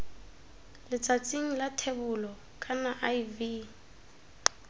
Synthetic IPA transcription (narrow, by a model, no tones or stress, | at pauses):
lɪt͡sʼat͡sʼiŋ̩latʰebʊlɔ | kʼanaʔaivi